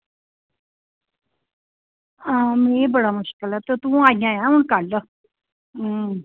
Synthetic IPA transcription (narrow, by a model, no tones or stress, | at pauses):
amẽːbəɽaːmʊʃkəlɛːt̪ot̪ũːaːijãːjãːɦʊɳkalə